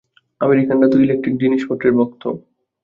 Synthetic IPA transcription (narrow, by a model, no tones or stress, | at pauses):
ameɾikanɖat̪oilek̚ʈɾik̚d͡ʑiniʃpoɾʈeɾmok̚t̪ʰo